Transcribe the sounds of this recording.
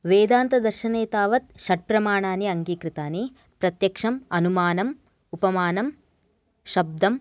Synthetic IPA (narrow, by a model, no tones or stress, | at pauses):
ʋeːd̪aːnt̪ɐd̪ɐɾʃɐneːt̪aːʋɐt̪̚ʃɐʈ̚pɾɐmaːɳaːniɐŋɡiːkɾɪt̪aːni | pɾɐt̪jɐkʂɐmɐnumaːnɐm | upɐmaːnɐm | ʃɐb̚d̪ʱɐm